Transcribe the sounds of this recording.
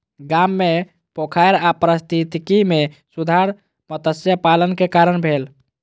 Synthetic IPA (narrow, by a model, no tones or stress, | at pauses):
ɡamːe | pokʰajɾapɾəst̪ʰit̪kimesud̪ʱaɾ | mət̪əsjəpalənkekaɾənbʱel